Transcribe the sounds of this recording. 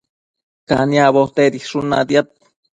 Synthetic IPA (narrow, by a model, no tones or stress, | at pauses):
kaniaβot̪ed̪ihʂuna̰d̪jat̪̚